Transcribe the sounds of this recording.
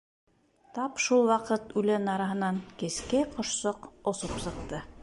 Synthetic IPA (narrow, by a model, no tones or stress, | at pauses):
t̪ɑpʃulˠwɑqɤt̪ʉlɘnɑɾɑɦɤ̆nɑŋkɘ̆skæjqŏʃsoqŏsopsɤ̆q̚t̪ɤ